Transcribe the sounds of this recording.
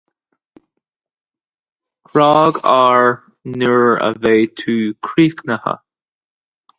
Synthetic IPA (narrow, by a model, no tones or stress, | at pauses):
kʰɾɑːɡaːɹ | nuɹə̰veːt̪ʰuːkʰɾiːknəhə̰